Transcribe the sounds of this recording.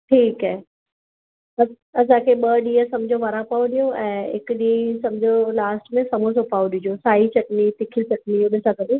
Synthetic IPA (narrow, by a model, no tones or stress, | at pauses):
ʈʰiːkɦaːɦɛ | ɐ | ɐs̬ãkʰeːɓɐɗiːəsɐmd͡ʑʱoʋaɾapaːoɗijoʔɛ̃ːɦɪkɗisɐmd͡ʑʱolaːsʈmẽsɐmus̬opaːuɗɪd͡ʑosaːɦit͡ɕɐʈnit̪ɪkʰit͡ɕɐʈniʊnəsãkɐɗe